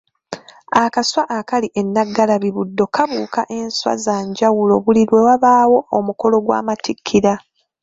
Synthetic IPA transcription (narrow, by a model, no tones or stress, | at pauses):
akaswaʔakaliʔe̞nːaɡːalaβiβudːo̞kaβuːkaʔe̞nswa̰zaːɲɟawulo̞βuliɾwe̞waβaːwo̞omuko̞lo̞ɡwa̰ːmatikʰːiɾa